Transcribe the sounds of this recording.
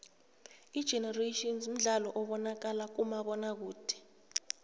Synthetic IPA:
id̥ʒ̥ʱɛnareʃiɔnzum̩ɮalɔʔɔɓɔnak̬alak̬umaɓɔnak̬uːd̥ʰʱɛ̥

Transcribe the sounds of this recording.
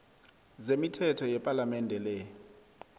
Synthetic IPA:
zemitʰɛtʰɔjɛpʼalamɛndʱɛlɛ

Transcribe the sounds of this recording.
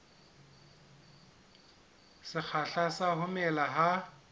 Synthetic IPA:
sɪk͡xʰaɬasaɦʊmɛlaɦa

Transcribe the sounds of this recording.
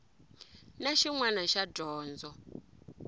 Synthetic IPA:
naʃiŋwanaʃaɟɔːnd͡zɔ

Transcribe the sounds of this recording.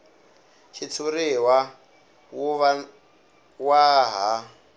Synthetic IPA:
t͡ʃʰit͡sʰuɾiwa | wuβ | waɦa

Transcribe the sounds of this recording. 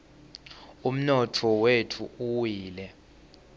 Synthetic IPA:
um̩nɔtʰɔwetʰuuwiːlɛ

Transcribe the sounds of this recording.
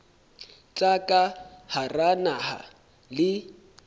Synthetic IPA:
t͡ɬʼakʼaharanaha̰ | lɪ

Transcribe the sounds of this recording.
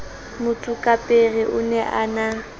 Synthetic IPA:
mʊtʼʊkʼapʼerɪʔʊnɛʔaːna

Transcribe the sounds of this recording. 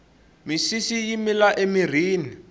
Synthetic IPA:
misisijimilaʔemir̤iːni

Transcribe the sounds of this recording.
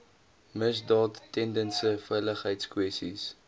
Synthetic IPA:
məsdɑːtːɛndənsəfɛjləχɦəjtskwɛstis

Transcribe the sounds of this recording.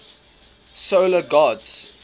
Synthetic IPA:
soləɡɑdz̥

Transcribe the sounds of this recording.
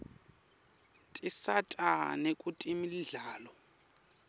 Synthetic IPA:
tʼisatʼa̰nekʼutʼimiliɮaːlɔ

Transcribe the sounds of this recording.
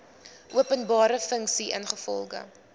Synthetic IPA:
ʔuəpənbɑːɾəfəŋksiʔə̰nχəfɔ̰lˠχə̰

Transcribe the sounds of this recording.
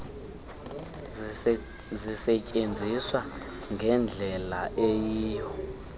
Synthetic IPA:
zisɛcʼend͡zʱiswa | ŋʱɛnd͡ɮʱɛlaʔejiːjɔ

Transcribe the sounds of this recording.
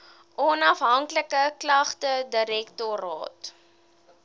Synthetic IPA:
ʔɔnɐfɦɐŋkləkəklɐχtədəɾɛktɔɾɑ̰ːt

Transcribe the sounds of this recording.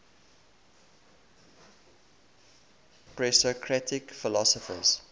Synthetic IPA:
pɹɛsɔkʰɹatʰɪkfɪlɔsɔfə̰z̥

